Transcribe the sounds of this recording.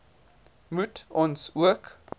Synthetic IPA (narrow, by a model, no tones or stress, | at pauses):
mutʔɔnsuək